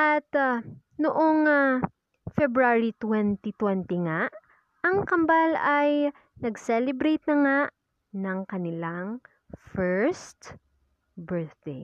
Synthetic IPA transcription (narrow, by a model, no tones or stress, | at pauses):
ʔɐt̪a | noʔoŋa | fɛbɾaɹit̪wɛnt̪it̪wɛnt̪ɪŋaʔ | ʔɐŋkɐmbalɐj | nɐɡsɛlɛbɾejt̪̚nɐŋaʔ | nɐŋkɐnɪlaŋ | fɛɹst̪ | bɛɹθd̪ej